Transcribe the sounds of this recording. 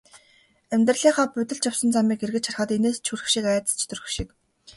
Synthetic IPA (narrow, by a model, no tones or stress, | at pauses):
æmʲt̪rəɮiːɴχaːpʊt̪ɘ̆ɬt͡ɕjawsə̆nt͡samiːkerɣɘ̆t͡ɕʰarχə̆t̪eneːst͡ɕʰurɘ̆xʃikæːt̪ə̥̆st͡ɕʰt̪ʰɵrɘ̆xʃik